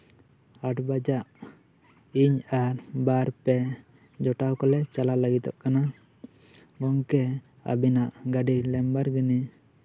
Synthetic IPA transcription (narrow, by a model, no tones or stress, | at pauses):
aʈʰbad͡ʒaʔ | iɲaɾbaɾpɛ | d͡ʒɔʈawkɔlɛt͡ʃalaləɡit̪ɔʔ̚kana | ɡɔŋkɛ | a̰binaʔɡaɖilɛmbaɾɡini